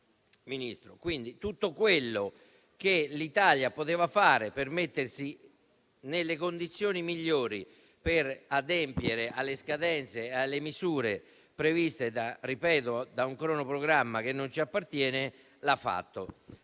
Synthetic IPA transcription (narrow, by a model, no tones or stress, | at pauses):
minist̪ɾokwind̪it̪ut̪ːokwelːo | k̟elit̪aːljapot̪eːvafaːɾepermet̪ːersi | nelːekond̪it̪sːjoːnimiʎːoːɾi | perad̪ɛmpjeɾeʔalːeskad̪ɛnt̪sealːemizuːɾe | pɾevist̪ed̪aripɛːt̪od̪auŋkɾɔːnopɾoɡɾamːak̟enːont͡ʃiapːart̪jɛːnɪ | lafːa̰t̪ːo